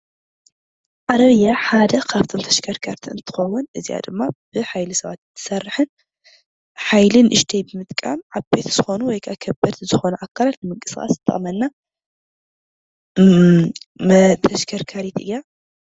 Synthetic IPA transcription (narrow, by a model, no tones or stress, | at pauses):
ʕaɾɐβɨjːaħad̪ɐkʰaβt̪ʰomt̪ʰɐʃkʰɐɾkʰaɾt̪ʰiɨ̰nt̪ʰɨ̥xɐwːʊnʔɨzija̰d̪ɨmːab̥ɨħajlɨsɐβat̪t̪ʰːɨ̥sɐrːɨħɨn | ħajlɨnʔɨʃt̪ʰɐjbɨmɨt̪ʼkʼa̰mʕaβbet̪z̥ɨxo̞nuwɔjkʰakʰɐbɐd̪zɨxo̞nɐʔakʰːalat̪nɨmɨŋkʼɨ̥sxʼa̰st̪ʰːɐ̰ʔʼmɐnːa | t̪ʰɐʃkʰɐɾkʰaɾit̪ʔɨ̰ja